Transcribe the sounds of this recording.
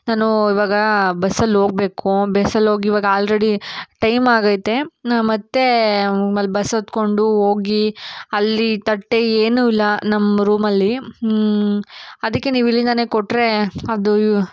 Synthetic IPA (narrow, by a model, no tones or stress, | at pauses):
naːnuiʋaːɡɐbɐsɐlːɦoːɡ̚be̞ːkubesɐlːoːɡiːʋaːɡɐaːlɾeɽiʈɐjmaːɡɐjt̪ːe̞mɐt̪ːe̞ɐlbɐsɐt̪ko̞ɳɖuo̞ːɡiɐlːit̪ɐʈːe̞eːnuilːɐnɐmːɐɾuːmɐlːi | ɐd̪ɐkːe̞niːʋilːind̪ɐne̞ːkoʈːɾe̞ɐd̪u